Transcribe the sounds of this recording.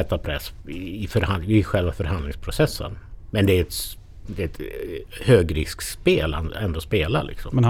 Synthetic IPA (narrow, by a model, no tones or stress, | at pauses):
ɛt̪ːapʰɾɛsɪfœɾhaɪɧɛlvafœɾhand̪lɪŋspʰɾʊsɛsːə̰nmɛnd̪ɛæɾɛt̪ | d̪ɛɛt̪høːɡɾɪ̰skspeːlɛ̰nɛnd̪ospeːlalɪ̰ksɔmɛn